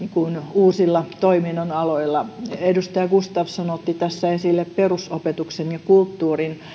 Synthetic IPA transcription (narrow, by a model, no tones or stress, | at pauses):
ikunuːsilːɑt̪oiminonɑloilːɑedust̪ɑjɑkust̪ɑʋsɑnot̪ːit̪æsːæesilːepperusopet̪uksenjɑkult̪ːuːrin